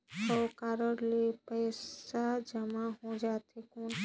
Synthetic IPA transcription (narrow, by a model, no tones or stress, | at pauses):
ɔːkaːɾəɽlepɛːsad͡ʒəmaɦod͡ʒaːt̪ekoːn